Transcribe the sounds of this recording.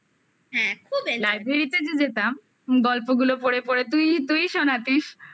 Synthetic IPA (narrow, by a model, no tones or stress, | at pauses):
ɦɛ̃kʰubelajbʱeɾit̪ed͡ʑed͡ʑet̪am | ɡɔlpoɡulopoɽepoɾet̪ujt̪ujʃɔnat̪iʃ